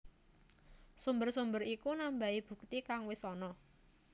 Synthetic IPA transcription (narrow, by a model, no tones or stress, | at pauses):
sumbərsumbəɾikunambaib̥ṳkt̪ikaŋwɪsɔnɔ